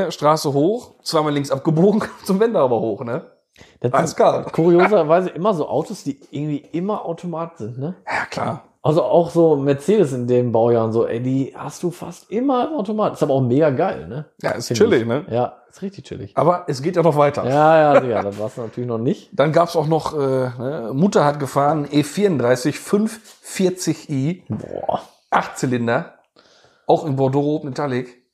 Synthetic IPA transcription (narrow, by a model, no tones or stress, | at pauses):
əʃtʁ̥aːsəɦoːxt͡sv̥aɪmaːlɪŋsʔap̚ɡ̥əboːɡŋ̩kʰat͡sʊmvɛndəaːbɐhoːxnə | d̥atasklaːkʰuʁioːzɐvaɪzəʔɪmɐzoːʔa̰ʊtʰosd̥iːʔɪɐɡŋ̩tv̥iːʔɪmɐʔaʊtʰomaːtz̥ɪntnəjaːkʰl̥a̰ː | ʔalzoʔaʊxz̥oːmɛɐt͡seːdəs̬ɪndeːmbaʊjaːʁənzoːʔɛ̰ɪdiːhastd̥uːfa̰stʔɪmɐaʊtomaːtʔɪstaːbɐaʊxmeːɡaɡaɪlnəja̰ːɪst͡ʃɪlɪçnəjaːsstʁɪçtɪçt͡ʃɪ̰lɪ̰çʔaːbɐʔɛsɡ̥eːtjaːnɔχv̥aɪtɐjaːjaːzɪçadatv̥aːɐsd̥uːnatʰyːɐlɪçnɔχnɪçtd̥anɡaːpsaʊxnɔχʔɛːnəmʊtɐhatɡ̥əfaːʁənʔeːfiːɐʊndʁaɪsɪçfʏnfːɪɐt͡sɪçʔiːbɔ̰ː | ʔaχtt͡sɪlɪndɐ | ʔaʊxɪnbɔdoːʁotmetʰalɪk